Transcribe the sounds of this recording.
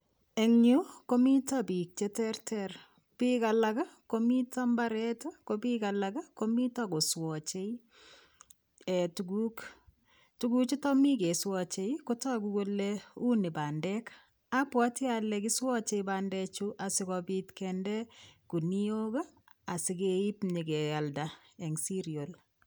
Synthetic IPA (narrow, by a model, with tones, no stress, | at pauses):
e˨ŋɲu˦ko˦mi˦tabi˨k̚t͡ʃetɛ˦rtʰɛr | pika˨laka˦ko˦mi˦ta˦mba˦ɾɛta˦kobika˨laɡa˦ko˦mi˦tako˨swɔt͡ʃe˦i | e˨tuɡuk | tuɡu˦t͡ʃi˦tɔ˦mi˦ke˨swɔt͡ʃe˦ikota˦kuɡo˦leu˦ni˨bandɛk | apwɔti˦alɛki˦swɔ˦t͡ʃe˦ibandɛt͡ʃuʔa˨sɪkɔbitkɛndɛku˨ni˦o˦ɡa˦ | a˨sikei˦pɲike˨jalda | e˨ŋsi˦ɾjo˨l